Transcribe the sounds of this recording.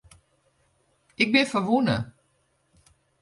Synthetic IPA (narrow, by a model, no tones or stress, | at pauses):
ɪk̚bɪnfəʋunə̰